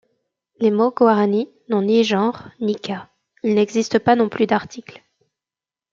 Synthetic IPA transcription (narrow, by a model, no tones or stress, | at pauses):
lemoɡwaʁani | nɔ̃niʒɑ̃ʁnika | ilnɛɡzist̪əpanɔ̃plyd̪aʁt̪ʰikl